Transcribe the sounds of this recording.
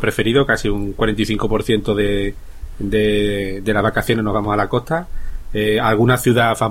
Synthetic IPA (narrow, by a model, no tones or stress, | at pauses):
pɾe̞fe̞ɾiðokasiuŋkwaɾent̪iθiŋko̞po̞ɾθje̞nt̪oðe̞ | d̪e̞d̪e̞laɦβakaθjo̞neno̞ɦβamosalako̞ht̪aealɣunaθjuðafam